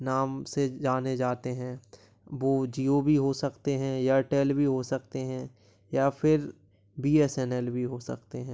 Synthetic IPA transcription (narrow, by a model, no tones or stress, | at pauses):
naːmsed͡ʒaːned͡ʒaːt̪eɦɛ̃ː | ʋoːd͡ʒiːobʱiɦosɐkt̪eɦɛ̃jaʈɛːlbʱiɦosɐkt̪eɦɛ̃ | jaːpʰɪɾ | biːɛːsɛnɛlbʱiɦosɐ̰kt̪eɦɛ̃ː